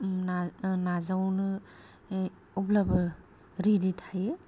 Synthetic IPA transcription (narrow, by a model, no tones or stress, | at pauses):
nanazawnɯ | ɔblabɯ | ɾiditʰaje